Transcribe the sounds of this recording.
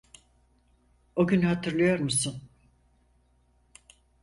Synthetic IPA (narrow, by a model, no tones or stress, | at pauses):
oɟynhat̪ʰɯɾlˠɯjo̞ɾmusun